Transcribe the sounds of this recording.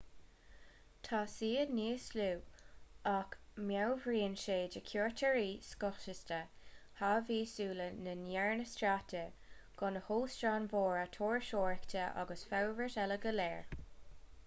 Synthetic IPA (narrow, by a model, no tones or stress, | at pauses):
tʰaːsiːədniːsluː | akmjawvɹiːnʃeːd͡ʒəkʰjoːɹtʰəɹiːskɔxʃəstə | haviːsuːlənənjɛɹnəstɾatʰə | ɡ̥ʊnəhoːstɹaːnvoːɹət̪ʰoːɹʃoːɹəktʰəʔa̰ɡəsfawvətɛləɡəlɛːɹ